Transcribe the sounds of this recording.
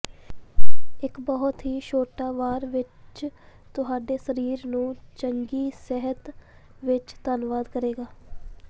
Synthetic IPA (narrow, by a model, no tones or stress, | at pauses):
ɪkbəɦʊt̪ɦiːʃoːʈaːʋaːɾʋɪt͡ʃ | t̪ʊɦaːɖeːsəɾiːɾnũːt͡ʃəŋɡiːsɛɦət̪ | ʋɪt͡ʃt̪aːnʋaːd̪kəɾeːɡaː